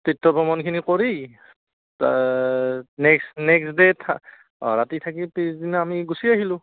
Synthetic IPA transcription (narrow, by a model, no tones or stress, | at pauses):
titʰːɔbʱɔmɔnkʰinikɔɹi | nɛksnɛksdetʰ | ɹatitʰak̬ipidinaamiɡusiaɦilʊ̃